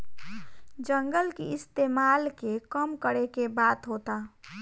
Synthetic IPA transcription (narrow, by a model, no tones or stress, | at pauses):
d͡ʒə̃ŋɡəlkeɪst̪eːmaːlkekəmkəɽekebaːt̪ɦoːt̪a